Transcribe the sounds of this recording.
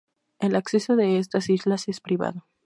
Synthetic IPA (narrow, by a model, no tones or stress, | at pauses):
e̞lakse̞so̞ðe̞est̪asizlase̞spɾiβa̰ðo̞